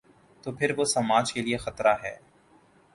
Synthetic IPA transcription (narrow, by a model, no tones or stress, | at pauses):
t̪oːpʰɪɾʋosɐmaːd͡ʒkeliexɐt̪ɾaɦɛ̰ː